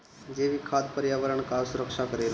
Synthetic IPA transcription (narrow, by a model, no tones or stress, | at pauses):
d͡ʒeʋikʰaːd̪pəɾjaːʋəɾəɳkasʊɾəkʃakəɾel